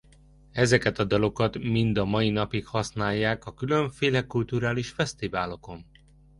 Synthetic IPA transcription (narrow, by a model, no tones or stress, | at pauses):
ɛzɛkɛt̪ɒd̪ɒlo̞kɒt̪mind̪ɒmɒjinɒpikhɒsnaːjːaːkɒkylø̞ɱfeːlɛkult̪uɾaːliʃfɛst̪ivaːlo̞ko̞n